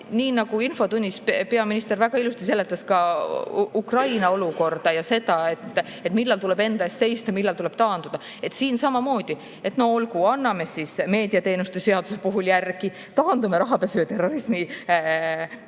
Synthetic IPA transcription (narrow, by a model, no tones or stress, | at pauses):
niːnɑɡ̥uinfo̞t̪unʲːispe̞ɑminist̪e̞ɾvæɡ̥ɑilust̪ise̞lːe̞t̪ːˑɑskɑ | ukrɑjnɑo̞luko̞rd̪̥ɑjɑse̞d̪̥ɑe̞t̪ː | e̞t̪milːɑlt̪ule̞be̞nd̪̥ɑest̪se̞jst̪ɑmilːɑlt̪ule̞b̥̚t̪ɑːnd̪ud̪̥ɑ | e̞t̪siːnsɑmɑmo̞ːd̪̥i | e̞t̪no̞ho̞lkuɑnːɑme̞sisme̞ːd̪̥iɑt̪e̞ːnust̪ese̞ɑd̪̥usepuɦuljærɡ̥i | t̪ɑːnd̪umeɾɑɦɑpesyet̪e̞ro̞ɾismi